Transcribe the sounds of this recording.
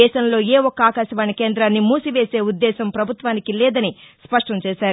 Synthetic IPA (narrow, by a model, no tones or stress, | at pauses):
ɛːʃɐmlo̞ːeːɔkːɐaːkaːʃɐʋaːnɐkeːnd̪ɾaːnːimuːsiʋe̞ːse̞ːud̪ːɛːʃɐmpɾɐbʱut̪ʋaːnikilɛːd̪ɐnispɐʂʈɐmt͡ʃɛːʃaːɾu